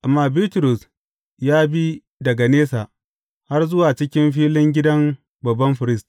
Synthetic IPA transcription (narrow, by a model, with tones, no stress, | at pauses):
ʔa˨mːaː˦bi˦tʊ˨ɾʊ˨s | jaː˦bi˦ | dɐ˨ɡa˨neː˦sa˨ | ha˦rzʊ˦waː˨t͡ʃɪ˦kʲɪ˦mɸiː˦lɪ˦ŋɡʲɪ˦dɐ˦ŋ | bɐ˨bːɐ˦mɸɪ˨ɾɪ˦stː